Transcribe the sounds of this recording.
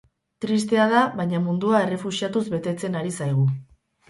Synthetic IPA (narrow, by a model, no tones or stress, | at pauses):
t̪ɾist̪e̞að̞aβajɲamund̪uaere̞fusiat̪uzβe̞t̪e̞t͡se̞naɾisajɣ̞u